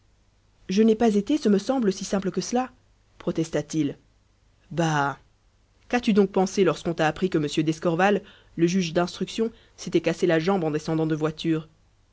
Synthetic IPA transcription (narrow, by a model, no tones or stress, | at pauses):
ʒənɛpazet̪esəməsɑ̃bləsisɛ̃pləkəsəla | pχɔt̪ɛst̪at̪il | ba | kat̪yd̪ɔ̃k̚pɑ̃selɔʁskɔ̃t̪aːpχikəməsjød̪ɛskɔʁvalː | əʒyʒd̪ɛ̃st̪χyksjɔ̃ | set̪ɛkaselaʒɑ̃bɑ̃d̪ɛsɑ̃d̪ɑ̃d̪əvwat̪yːʁ